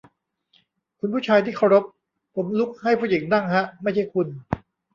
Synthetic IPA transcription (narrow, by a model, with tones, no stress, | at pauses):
kʰu˧npʰuː˥˩t͡ɕʰaː˧jt̪ʰi˥˩kʰa˥˩wɾo˦˥p̚ | pʰo˩˦mlu˦˥k̚ha˥˩jpʰuː˥˩ji˩˦ŋna˥˩ŋɦa˦˥ʔma˥˩jt͡ɕʰa˥˩jkʰu˧n